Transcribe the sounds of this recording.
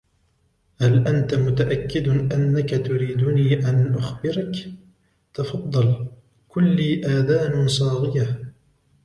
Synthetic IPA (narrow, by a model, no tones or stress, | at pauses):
halʔant̪amʊt̪aʔakːɪd̪ʔanːakat̪ʊɾiːd̪ʊniːʔanʔʊxbɪɾak | t̪ɑfɑd̪ˤːɑl | kʊlːiːʔaːðaːnsˤɑːɣɪja